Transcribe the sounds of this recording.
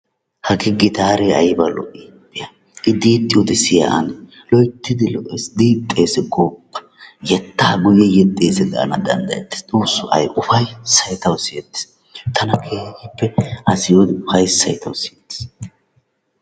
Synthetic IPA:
hɐɡɪɡɪt̪aːɾeɐjbɐlɔ̰ʔipʼːɪjɐ | ʔɪd̪iːt̪ʼːɪjɔd̪ɪsɪjɐ̰ʔɐ̰n | lɔjt̪ːɪd̪ɪlɔʔesd̪iːt̪ʼːeːsɛɡoːpːɐ̥ | jɛt̪ːaːɡʊjɛjɛt̪ʼːeːsɛd̪a̰ːnɐd̪ɐ̰nd̪ɐ̰jɛ̰t̪ːɪ̥st̪ʼuːsːʊʔɐ̰jʔʊfɐjsɐjt̪ɐwsɪjɛt̪ːɪ̥s | t̪ʰɐnɐkʰeːhɪpːɛʔɐsɪjod̪ɪʊfɐjsɐjt̪ʰɐwsɪjɛt̪ːɪ̥s

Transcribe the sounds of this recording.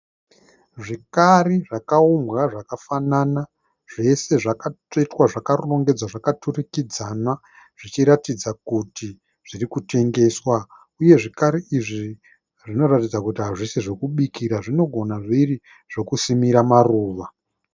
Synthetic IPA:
ʐikariʐakauŋɡwaʐakafanana | ʐe̞se̞ʐaka | itwaʐakaruro̞ŋɡe̞d͡zwaʐakaturikid͡zana | ʐ̥it͡ʃiɾatid͡zakuti | ʐ̥irikute̞ŋɡe̞swa | uje̞ʐikaɾiʔiʐi | ʐino̞ratid͡zakutiɦaʐiseʐokuɓikiɾaʐino̞ɡʱo̞naʐiri | ʐ̥o̞kusimiɾamaruːʋa

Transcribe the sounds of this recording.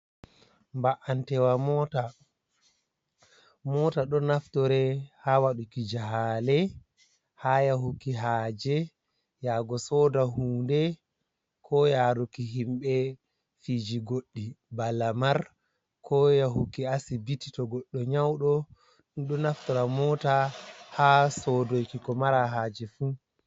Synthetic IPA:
mbaʔantɛwamɔta | mɔtaɗɔnaftɔɾɛhawaɗukid͡ʒaɦalɛ | hajaɦukiɦaːd͡ʒɛ | jaɡɔsɔdaɦuːndɛ | kʰɔjaɾukiɦimɓɛ | fid͡ʒiɡoɗːibalamaɾ | kʰɔjaɦukiasibiti̥tɔɡɔɗːɔɲawɗɔ | ɗnɗɔnaftɔɾamɔtahasɔdojkikɔmaɾaɦaːd͡ʒɛfu

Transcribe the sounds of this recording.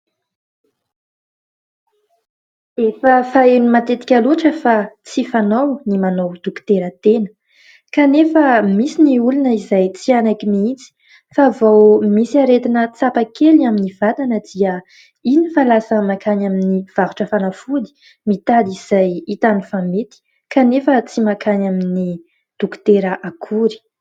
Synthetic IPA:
efəfaenumat̪et̪i̥kʲaluʈ͡ʂəfat͡sifanawnimanowd̪̥ukt̪eɾət̪enə̥ | kanefəmisiniulunəizajt͡sianakimiit͡si̥ | faːvowmisiaɾet̪inət͡sapakelaminiv̥at̪anəd̪iə | inifalasəmakʰanaminiv̥avuʈ͡ʂəfanafuli̥ | mit̪aliz̥ajit̪anifamet̪i̥ | kanefət͡simakʰanamini | d̪̥uku̥t̪eɾəʔakʰuɾi̥

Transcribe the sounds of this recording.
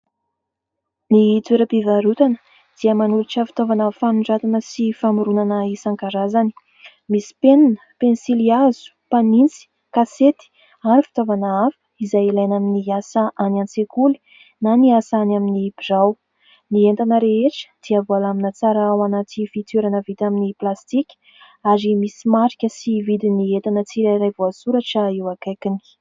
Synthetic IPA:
nit͡s̪eɾəpivaɾut̪anə̥ | d̪̥iəmanuɾiʈ͡ʂəfi̥t̪ovanafamuɳɖ͡ʐat̪unəsifamuɾunanəisaŋkaɾazani̥ | misi̥penanə̥pensiliazu̥panint͡si̥ | kaset̪i̥ | aɾifi̥t̪ovanaafə̥izajilajnaminiasaʔanant͡sekuli̥ | naniasanaminibizaw | nient̪anəɾeeʈ͡ʂə̥d̪̥iavualaminat͡saɾawanat̪ifit̪eɾanəvit̪aminiplast̪ikʲ | aɾimisimaɾikʲəsivid̪iniet̪anət͡siɾaɾajvuasuɾaʈ͡ʂəiwakajkini̥

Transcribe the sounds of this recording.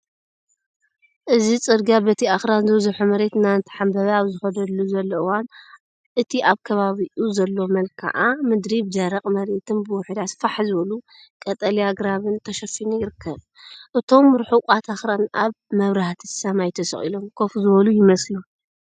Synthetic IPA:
ʔɨzit͡sʼɨd̪ɡabɐt̪ʰiaxɾanzɨβzuħumɐɾe̞t̪naɨnt̪ʰi̥ħambɐβaaβzɨxɐd̪ɐd̪lːuzɐlːɐɨwan | ʔɨt̪ʰiʔaβkʰɐβaβiʔuzɐlːo̞mɐlkʰa̰ʔamɨd̪ɾibd͡ʒɐɾɐqʼmɐɾet̪ʰɨnbɨwʊħd̪at̪faħzɨβɐlu | kʼɐt̪ʼɐliaɡɾaβɨnt̪ʰɐʃɐfinujɪɾɨkʰːɐβ | ʔɨt̪ʰo̞mɾħuqʷʼat̪ʰaxɾanʔaβ | mɐβɾaht̪ʰɨ̥samajt̪ʰɐsɐχʼḭlo̞mkʰo̞fzɨβɐlujɪmɐslu

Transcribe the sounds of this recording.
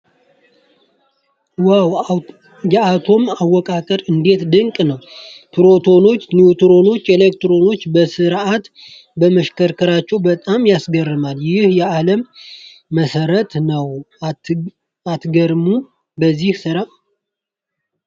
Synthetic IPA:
waw | jɛat̪ʰo̞mawːɔkʼakʼəɾɨnd̪e̞t̪d̪ɨŋkʼnəwpʰɨɾo̞t̪ʰo̞no̞t͡ʃːniut̪ɾo̞no̞t͡ʃːelekt̪ɾo̞no̞t͡ʃːbəsɨɾat̪ | bəməʃkəɾkʰəɾat͡ʃːɛwbət̪ʼamjasɡərːɨmaljɪhjɛaləmː | əsəɾət̪nəw | at̪ɡəɾmu | bəzːihsɨɾa

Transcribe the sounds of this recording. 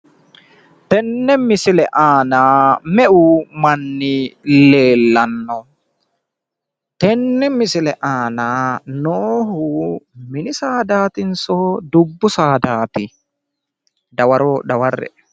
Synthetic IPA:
t̪ɛnːɛmːɪsɪlɛʔaːnaːmɛʔʊmɐnːɪleːlːɐnːɔ | t̪ɛnːɛmɪsɪlɛʔaːnaːnoːhʊmɪnɪsaːd̪aːt̪ɪnsoːd̪ʊbːʊsaːd̪aːt̪ɪ | d̪ɐwɐɾod̪ɐwɐrːɛ̰

